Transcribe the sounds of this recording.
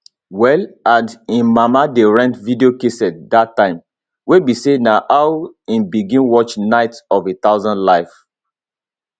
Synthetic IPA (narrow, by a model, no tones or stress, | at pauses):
wɛladĩnmamadeɹɛ̃ntvideokesɛt̚datːãɪ̃m | webisenaʔawĩnbiɡĩnwɔt͡ʃnaɪtɔvet̪aʊzɔ̃nlaɪf